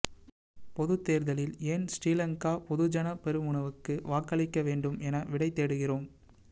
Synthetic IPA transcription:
pɔðɯt̪ːeːɾðɐlɪleːnsɾiːlɐŋkaːpɔðɯd͡ʒɐnɐpɛɾɯmʊɳɐʋɯkːɯʋaːkɐɭɪkːɐʋeːɳɖɯmɛnɐʋɪɽɐɪt̪ːeːɽɯɣɪroːm

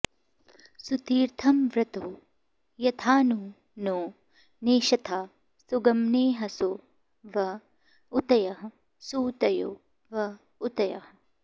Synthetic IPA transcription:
sut̪iːɾt̪ʰɐmʋɾɐt̪u | jɐt̪ʰaːnu | noː | neːʃɐt̪ʰaː | suɡɐmneːɦɐsu | ʋɐ | ut̪ɐjɐɦɐ | suːt̪ɐjṵ | ʋɐ | ut̪ɐjɐ̰hɐ

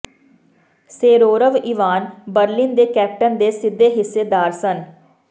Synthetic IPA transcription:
seːɾoːɾəʋiːʋaːnbəɾliːnd̪eːkɛːp̚ʈənd̪eːsɪd̪ːeːɦɪsːeːd̪aːɾsən

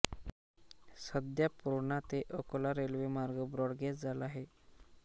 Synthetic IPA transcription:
səd̪japuɾɳat̪eʔəkolaɾelʋemaɾɡəbɾɔɽɡesd͡zalaɦe

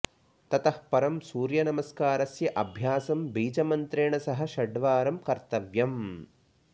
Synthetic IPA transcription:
t̪ɐt̪ɐhpɐɾɐmsuːɾjɐnɐmɐskaːɾɐsjɐʔɐbʱjaːsɐmbiːd͡ʒɐmɐnt̪ɾeːɳɐsɐɦɐ̆ʃɐɖʋaːɾɐmkɐɾt̪ɐʋjɐm

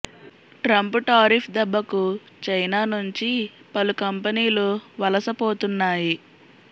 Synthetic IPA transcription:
ʈɾɐmpuʈaːɾipʰd̪ɛbːɐku | t͡ʃɐjnaːnuɲt͡ʃipɐlukɐmpɐniːluʋɐlɐsɐpo̞ːt̪unːaːji

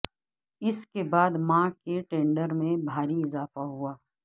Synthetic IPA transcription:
ɪskebaːd̪mãkeʈẽːɳɖəɾmẽbʱaːɾiɪzaːfaɦuaː

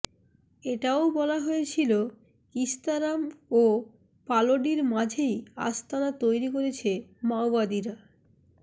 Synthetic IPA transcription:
eʈaobɔlaɦoet͡ɕʰilo | kist̪aɾamo | paloɖiɾmad͡ʑʱeja̰st̪ʰanat̪ojɾikoɾet͡ɕʰemaobad̪iɾa

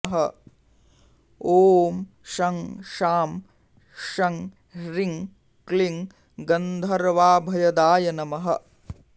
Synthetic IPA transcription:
ɦɐ | oːm | ʃɐŋʃaːm | ʃɐŋ | ɾiŋ | kliŋ | ɡɐnd̪ʱɐɾʋaːbʱɐjɐd̪aːjɐnɐmɐɦɐ̰

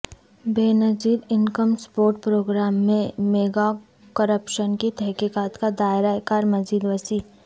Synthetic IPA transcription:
beːnɐd͡ʒiːɾɪŋkəmspoːɾʈ̚pɾoːɡɾaːmːẽmeːɡa | kəɾəpʃənkit̪ɛɦkiːkaːt̪kad̪aːɪɾakaːɾmɐziːd̪ʋəsiː

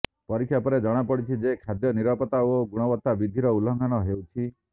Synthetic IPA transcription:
pɔɾikʰːjapɔɾed͡ʒɔɽ̃apɔɽit͡ʃʰid͡ʒekʰad̪jɔniɾapɔt̪aoɡuɽ̃ɔbɔt̪ːabid̪ʱiɾɔulɔŋɡʱanɔɦewt͡ʃʰi

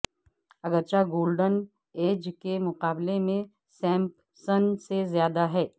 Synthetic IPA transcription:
ɐɡəɾt͡ʃaɡoːlɖən | eːd͡ʒkemʊqaːblemẽ | sɛ̃ːmp | sənsezjaːd̪aɦɛː

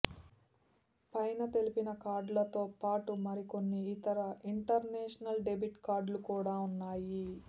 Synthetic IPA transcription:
pɐjnɐt̪e̞lipinɐkaːɾɖlɐt̪o̞ːpaːʈumɐɾiko̞nːiːt̪ɐɾɐʔiɳʈɐɾnɛːʂɐnɐlɖe̞biʈkaːɾɖlukuːɽaːunːaːji

